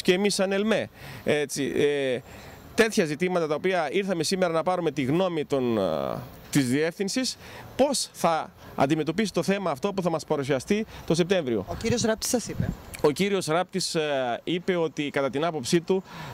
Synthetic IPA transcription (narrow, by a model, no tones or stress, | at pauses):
ce̞ːmisːɐnelme̞e̞t͡sie | t̪e̞t̪çɐzit̪imɐt̪ɐt̪ɐopiɐiɾθɐme̞sime̞ɾɐnɐpɐɾume̞t̪iɣno̞mit̪on | t̪izðie̞fθinsis | po̞sθɐ | ɐ̰nd̪ime̞t̪o̞pisi̥t̪o̞θe̞mɐːft̪o̞puθɐmɐspɐɾus̬iɐst̪it̪o̞se̞p̚t̪e̞ɱvɾio̞̰ociɾio̞sɾɐp̚t̪i̥sɐsipeo̞ciɾio̞sɾɐp̚t̪isipe̞o̞t̪ikɐt̪ɐt̪inɐpo̞psit̪u